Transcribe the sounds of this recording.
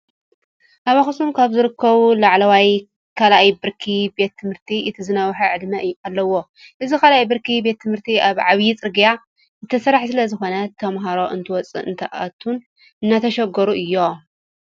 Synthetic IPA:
ʔaβaxɨsumkʰaβzɨɾɨkʰːɐβulaʕlɐwaj | kʰalʔajbɨɾkʰibe̞t̪ʰːɨmhɨɾt̪ʰiʔɨt̪ʰizɨnɐwħaʕɨd̪mɐʔjːalːɐwo̞ | ʔɨzikʰalajbɨɾkʰibe̞t̪ʰːɨmhɨɾt̪ʰiʔaβʕaβjit͡sʼɨɾɡija | zɨt̪ʰɐsɐɾaħsɨlɐzɨxo̞nɐt̪ʰɐmɦaɾo̞ʔɨnt̪ʰɨwɔt͡sʼɨ̰ʔɨ̰nt̪ʰɐʔa̰t̪ʰːun | ɨnːat̪ʰɐʃɐɡɐɾuʔɨjːo̞

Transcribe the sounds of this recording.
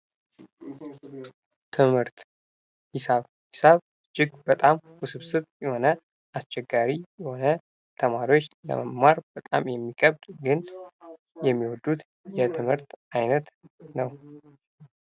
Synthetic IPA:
t̪ʰɨmhɨɾt̪ | hɪsaβ | hisaβ | d͡ʒɪɡbət̪ʼamhusɨβsɨβjɛho̞nə | ʔast͡ʃɛɡːaɾijɛho̞nə | t̪ʰəmaɾiwot͡ʃːlə̰məmmaɾbət̪ʼa̰mjɛmːikʼəβd̪ɡɨn | jɛmːiwɔd̪ut̪ | jɛt̪ʰɨmhɨɾt̪ajnət̪nəw

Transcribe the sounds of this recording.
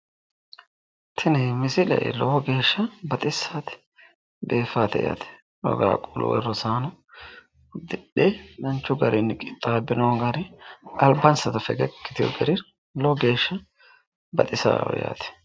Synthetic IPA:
t̪ʰɪnɛmɪsɪlɛ̰ʔɛ̰lɔwɔɡe̞ːʃːɐbɐt̪ʼɪsːaːt̪ɛ̥ | be̞ːfaːt̪ɛ̰ja̰ːt̪ɛ̥ | wɔ̰ɡa̰kʼulʊ̰wɛ̰rɔsaːnɐ | d̪ɪɗːɛnɐnt͡ʃːʊɡɐɾʔɪnːɪkʼɪt̪ʼːaːbɪnoɡɐɾɪɐlbɐnsɐt̪ɐfɛɡɛkːɪ̥t̪ɪjɔ̰ɡɛɾɪ | lɔwɡe̞ːʃːɐ | bɐt̪ʼɪsa̰ːɔja̰ːt̪ɛ̥

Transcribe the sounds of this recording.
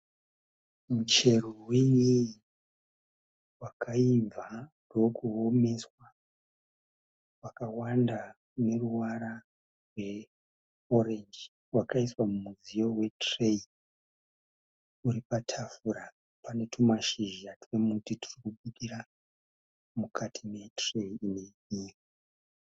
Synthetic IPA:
mut͡ʃe̞rowiɲii | wakʰaib͡vandookuɦome̞swa | wakawanda | ne̞ruwaɾa | rwe̞ | oɾend͡ʒ | wakaiswamumuzijo̞we̞trei | uɾipatʰafuɾa | pane̞tʰumaʃiʒiatuwemutiti̥rikuɓuɗiɾa | mukʰatʰime̞tre̞iine̞ɲiːka

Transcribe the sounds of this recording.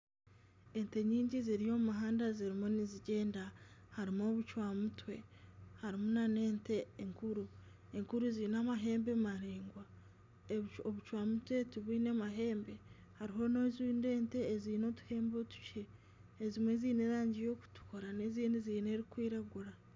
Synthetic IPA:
e̞nte̞ɲiːɲɟiziɾijo̞mumaɦaːndaziɾimoniziɟe̞ːndahaɾimo̞ːβut͡ʃwaːmutwe̞haɾimonane̞ːnte̞ːŋkuɾu | e̞ŋkuɾuziinamaɦe̞ːmbe̞maɾeːŋɡwa | oβut͡ʃwaːmutwe̞tuβiːne̞maɦe̞ːmbe̞ | haɾiɦo̞nozinde̞ːnte̞ːziːno̞tu̥he̞ːmbo̞tu̥ce̞ː | zimwe̞ziːneɾaːɲɟijo̞ku̥tu̥ko̞ɾane̞ziːniziːne̞ɾikwiːɾaɡuɾa

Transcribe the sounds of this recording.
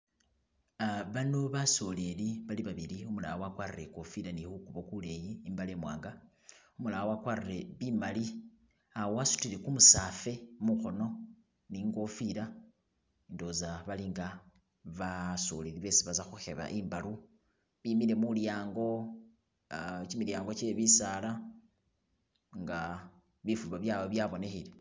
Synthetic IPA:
βano̞βaso̞le̞liβaliβaβiliumula̰wawakwaːriɾeko̞fiɾanihukuβo̞kule̞jiːmbaleːmwa̰ːŋɡa | umulawowakwaːrire̞βimali | awowasu̥tile̞kumusafe̞muxo̞no̞ | niŋɡo̞fiɾa | indo̞zaβaliːŋɡa | βaso̰liliβe̞siβazaxuxe̞βa̰ʔimbalu | βimiɾe̞muljaːŋɡo̞ | t͡ʃimiljaːŋɡo̞t͡ʃe̞βisala | ŋɡa | βifulβaβjaβoβjaβo̞ne̞xile

